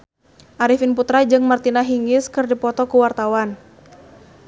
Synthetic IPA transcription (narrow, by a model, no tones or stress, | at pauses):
ʔaɾifɪnput̪ɾad͡ʒɨŋmart̪inaɦiŋɪskɨrdipɔt̪ɔkuwart̪awan